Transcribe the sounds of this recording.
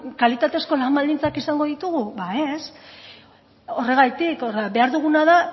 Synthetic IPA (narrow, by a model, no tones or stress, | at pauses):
kalit̪at̪e̞sko̞lambald̪int͡sakisaŋɡo̞ðit̪uɣuβaes | o̞re̞ɣ̞ajt̪ikorabe̞aɾðuɣ̞unaða